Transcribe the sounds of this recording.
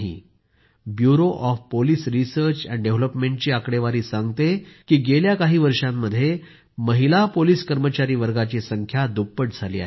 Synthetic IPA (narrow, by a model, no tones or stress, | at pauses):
ɦḭ | bjuɾoʔɔfpoliːsɾisəɾt͡ɕæ̰nɖeʋləpmeɳʈ̚t͡ɕiːakɽeʋaɾiːsãŋɡt̪ekiːɡeljakaɦiːʋəɾʂamːəd̪ʱːje | məɦilapoliːskəɾmət͡ɕaɾiːʋəɾɡat͡ɕiːsəŋkʰjad̪upːəʈd͡zʱalḭːa̰ɦ